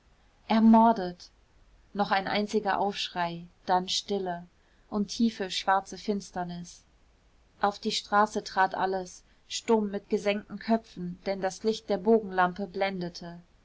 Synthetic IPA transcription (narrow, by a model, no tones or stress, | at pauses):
ʔɛɐmɔɐdət | nɔχaɪnʔa̰ɪnt͡sɪɡɐʔa̰ʊfʃʁ̥aɪd̥anʃtɪlə | ʔʊntʰːiːfəʃv̥aɐt͡səfɪnstɐnɪs | ʔaʊfd̥iːʃtʁ̥aːsətʁ̥aːtʔa̰ləs | ʃtʊmːɪt̚ɡ̥əzɛŋ̚tn̩kʰœpp͡fn̩d̥ɛndaslɪçt̚d̥eːɐboːɡŋ̩lampəblɛndətʰə